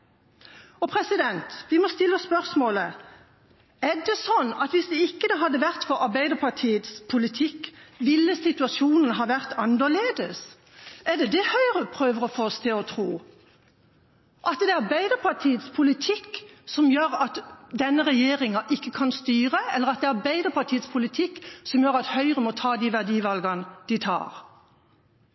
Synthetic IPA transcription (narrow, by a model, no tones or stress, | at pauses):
ɔpʰɾɛsɪd̪ɛnt̪ʋɪmɔst̪ɪlːəɔspœʁsmoːlə | æd̪ɛsɔnːɑt̪ʋɪsd̪ɛɪkːəd̪ɑɦɑd̪ːəʋæʁt̪fɔɾɑɾbæɪd̪əpʰɑt̪ʰiːət̪spʰʊlɪt̪ʰɪkːʋɪlːəsɪt̪ʉɑsuːnənɦɑːʋæʁt̪ɑnd̪əleːd̪əs | æɖ̪ɛd̪ɛhœʏəʁəpʰɾøːʋəʁɔfɔɔst̪ʰɪlɔt̪ʰɾuː | ʔɑt̪d̪ɛɑɾbæɪd̪əpʰɑt̪ʰiːət̪spʰʊlɪt̪ʰɪkːsɔmjøːɾɑt̪d̪ɛnːəʁɛjeːʁɪŋɑʔɪkːəkʰɑnst̪yːʁəɛlːəʁɑt̪̚d̪ɛɑʁbæɪd̪əpʰɑt̪ʰiːət̪spʰʊlɪt̪ʰɪkːsɔmjøːʁɑt̪hœʏʁəmɔt̪ʰɑːd̪iʋæʁd̪iːʋɑlɡɑnəd̪̥ɪt̪ʰɑ̰ːʁ